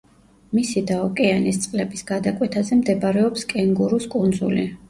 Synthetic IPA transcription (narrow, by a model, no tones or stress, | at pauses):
misid̪aɔkʼɛanist̪sʼqʼlɛbisɡad̪akʼwɛt̪ʰazɛmd̪ɛbɾɛɔpskʼɛŋɡuɾuskʼund̪zṵlḭ